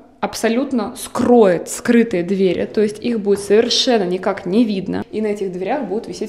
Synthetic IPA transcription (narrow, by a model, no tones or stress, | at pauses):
ɐpsɐlʲut̪nəskrojɪt̪skɾɨt̪ɨjəd̪vʲeɾʲɪ̰t̪o̞jɪsʲtʲixbudʲɪt̪səvʲɪrʂɛnːənʲɪkaknʲɪvʲid̪nə̰inɐɛtʲɪxd̪vʲɪɾʲaxbudʲɪt̪vʲɪsʲetʲ